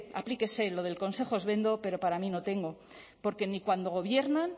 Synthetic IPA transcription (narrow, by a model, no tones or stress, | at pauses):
a̰plike̞se̞lo̞ðe̞lko̞nse̞xoezβe̞nd̪o̞pe̞ɾo̞paɾamĩno̞t̪e̞ŋɡo | po̞ɾke̞nikwand̪o̞ɣ̞o̞βje̞ɾnan